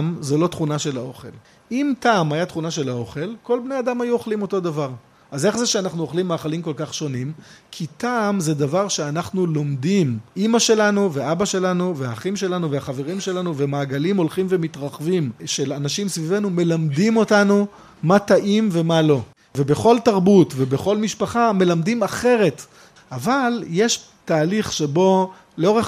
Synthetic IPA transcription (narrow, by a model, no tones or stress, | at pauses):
mzolo̞t̪χunaʃe̞lao̞χe̞̰l | imtaːmajatχunaʃe̞lao̞χe̞lko̞lbne̞adamajuoχlimo̞to̞d̪avaʁ | ʔaze̞χzeʃeanaχnuoχlimːaːχalimko̞lkaχʃo̞nimkʰitaːmze̞d̪avaʁʃeanaχnulomdimʔimaʃe̞lanuveʔabaʃe̞lanuveaχimʃe̞lanuvehaχave̞ʁimʃe̞lanuvemaːɡalimo̞lχimve̞mitʁaχvimʃe̞lanaʃimsvivenume̞lamdimo̞tanu | mataʔimve̞malo̞ | ve̞be̞χo̞ltaʁbutvebe̞χo̞lmiʃpaχame̞lamdimaχe̞ʁe̞t | ʔavalje̞ʃ | taːliχʃe̞bo̞ | leo̞ʁeχ